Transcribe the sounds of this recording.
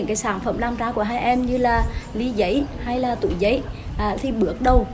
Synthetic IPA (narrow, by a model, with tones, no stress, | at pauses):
ɨ˧˥ŋkaː˨˦jsaː˧˩nfə˧˩mlaː˧mt͡ɕaː˨˦ku˧˩əɦaː˧jʔɛ˧mɲɨ˧laː˨˩li˨˦zə̰˧˥jha˧jlaː˨˩t̪ṵ˧˩˦jzə̰˧˥j | ʔːt̪ʰi˨˩ɓɨ˨˦˥ək̚ɗə˨˩w